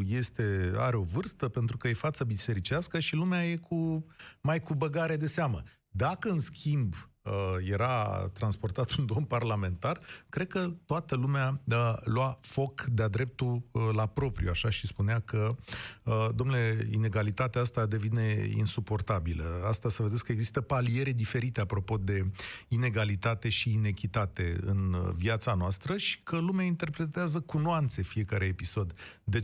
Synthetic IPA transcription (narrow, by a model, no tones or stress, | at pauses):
je̞st̪e̞aɾe̞o̞vɨrst̪əpe̞nt̪ɾukəje̞fat̪səbise̞ɾit͡ʃiaskəʃilumeaje̞kʰumajkubəɡaɾe̞d̪e̞seamə | d̪akəɨnskʲʰimbəje̞ɾat̪ɾanspo̞rt̪at̪und̪o̞mparlame̞nt̪arkɾe̞d̪̚kət̪oat̪əlumealwafo̞kd̪ead̪ɾe̞p̚t̪ulapɾo̞pɾʲjuaʃaʃispuneakə | d̪o̞mnule̞ine̞ɡalit̪at̪eaast̪ad̪e̞vine̞ḭnsupo̞rt̪abiləast̪asəve̞d̪eskəe̞ɡzist̪əpalie̞ɾed̪ife̞ɾit̪e̞apɾo̞po̞d̪e̞ine̞ɡalit̪at̪e̞ʃiːne̞kʲit̪at̪e̞ɨ̰nviat̪sanoast̪ɾəʃi̥kʰəlumeaint̪erpɾe̞t̪eazəkunoant̪se̞fie̞kaɾe̞episo̞d̪ː | e